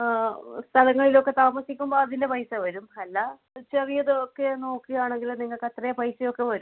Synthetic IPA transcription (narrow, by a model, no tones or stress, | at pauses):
st̪ʰɐlɐŋːɐɭilo̞kːe̞t̪aːmɐsikʲːumboɐðinde̞pɐjsɐʋɐɾumɐlːɐ | t͡ɕɐrijɐðɨokːeno̞ːkːijaːɳeŋɡilniŋːɐɭkɐt̪rɐjɐpɐjsɐjo̞kːe̞ʋɐɾum